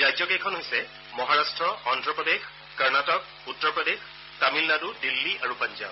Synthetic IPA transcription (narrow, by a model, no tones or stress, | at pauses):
zajtjɔkɛjkʰɔnɦojsɛ | mɔɦaɹastɹɔɔntɹɔpɹɔdex | kaɹnatɔk̚ | utːɔɹpɹɔdex | tamilnadudilːiaɹupand͡ʒa̰